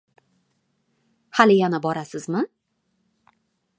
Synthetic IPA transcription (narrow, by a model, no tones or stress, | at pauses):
halɪjanabɒɾasɪzmɪ